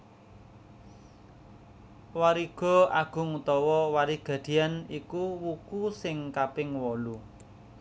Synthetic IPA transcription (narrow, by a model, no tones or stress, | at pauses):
waɾiɡ̥ɔ̤aɡ̥ʊ̤ŋut̪ɔwɔwaɾiɡ̥a̤d̪̥i̤anikuwukusɪŋkapɪŋwɔlu